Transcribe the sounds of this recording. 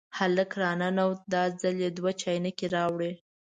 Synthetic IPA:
haləkɾɑnanawd̪ɑd͡zaljed̪wat͡ʃɑjnəkeɾɑwɽe

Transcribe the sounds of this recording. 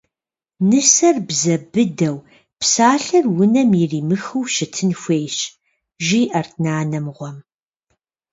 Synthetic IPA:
nɨsɐrbzɐbɨdɐw | psaːɬɐrwʊnɐmjɪriːmɨxɨwʃɪtʰɨnxʷeːɕ | ʒiːʔɐrtʰnaːnɐmʁʷɔm

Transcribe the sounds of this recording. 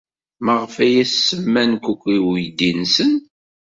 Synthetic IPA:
məʁfæjæsːəmːænkʷukʷːiwjd̪insən

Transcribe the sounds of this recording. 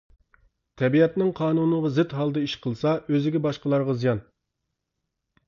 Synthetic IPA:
t̪ʰɛbiɛt̪nɪŋqʰɑːnunəʁɑzɪt̪ɦɑlˠd̪ɨiʃqʰəlˠsɑøzɪɡʲɛbɑʃqəlˠɑɾʁɑzijɑn

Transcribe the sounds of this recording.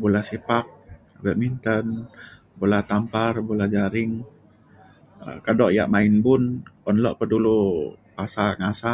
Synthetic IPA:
bulahsipak̚ | bɛʔmint̪ən | bolat̪amparbulahd͡ʒaɾɪŋ | kadɔʔja̰ʔmaɪnbʊnɔnlɔʔpədulupasaŋasa

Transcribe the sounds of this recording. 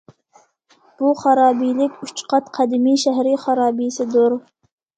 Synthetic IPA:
b̥uχɑɾɑːbijlɪkʲyt͡ʃqʰɑt̪qʰæd̪ɪmijʃæɦɾiχɑɾɑːbijsɪd̪oɾ

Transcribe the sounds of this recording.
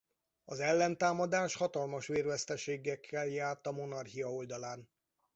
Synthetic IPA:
ɒzɛlːɛnt̪aːmɒd̪aːʃhɒt̪ɒlmɒʃʋeːrvɛst̪ɛʃeːɡɛkʰːɛljaːrt̪ɒmo̞nɒrhijɒo̞ld̪ɒlaːn

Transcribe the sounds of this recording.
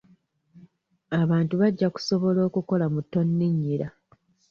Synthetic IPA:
aβaːntuβaɟːaku̥soβo̞lo̞ːkuko̞lamutːo̞nːiɲːiɾa

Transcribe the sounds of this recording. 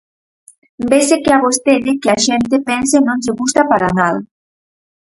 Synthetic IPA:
mbesekeaβost̪eʎekeaʃent̪epɛnsenõnzeɣust̪apaɾanal

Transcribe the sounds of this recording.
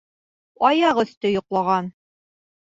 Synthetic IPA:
ɑjɑʁɵ̆θt̪ɘjŏqlˠɑʁɑn

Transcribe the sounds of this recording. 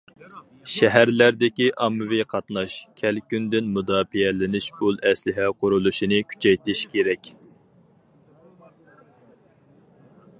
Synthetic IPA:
ʃɛɦæɾlæɾd̪ɪkʲiʔɑmːɨviqʰɑt̪nɑʃkʲʰɛlkʲynd̪ɪnmud̪ɑːfiɛlɪnɪʃbulˠɛslɪɦɛqʰʊɾulˠuʃinɨkʲʰy̥t͡ʃʰɛjt̪ɪʃkʲʰeɾɛkʲ

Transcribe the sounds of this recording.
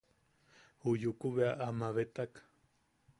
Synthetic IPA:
hujukuβeaʔamaβet̪ak

